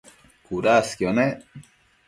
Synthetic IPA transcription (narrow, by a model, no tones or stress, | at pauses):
kuɾaskjone